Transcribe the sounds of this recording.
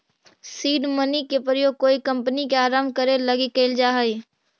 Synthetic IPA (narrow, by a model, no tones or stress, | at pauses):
siːɖmənikepɾəjoːɡ̚koːikə̃mpənikeaːɾaːmkəɾeləɡikeɪld͡ʒaːɦəi